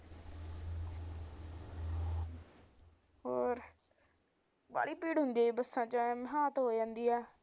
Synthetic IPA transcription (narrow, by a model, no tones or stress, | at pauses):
ɦoːɾ | ba̰ːɽiːpiːɽɦʊnd̪iaːiːbəsːãːt͡ʃəmɦaːt̪ɦoːd͡ʒãːnd̪iːaː